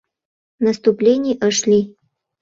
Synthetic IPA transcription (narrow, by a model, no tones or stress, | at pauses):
nəst̪uplʲenʲɪjʔəʂlʲi